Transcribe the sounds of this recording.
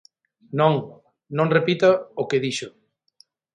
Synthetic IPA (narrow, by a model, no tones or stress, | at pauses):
nõŋ | nõŋrepit̪aokeðiʃʊ